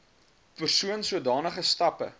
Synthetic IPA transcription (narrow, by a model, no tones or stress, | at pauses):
pərsuənsuədɑːnəχəstɐpə̰